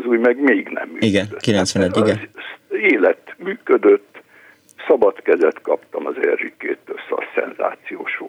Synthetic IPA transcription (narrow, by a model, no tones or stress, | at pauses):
zuːjmɛɡmeːɡnɛ̰mːyːiɡɛnøkilɛnt̪sʋɛnɛɟːiɡɛneːlɛt̪myːkød̪øt̪ː | sɒbɒt̪kɛzɛt̪kɒpt̪ɒmɒzɛrːykḛːt̪ːøsɒ̰sɛ̰nza̰ːt̪sijo̰ːʃoː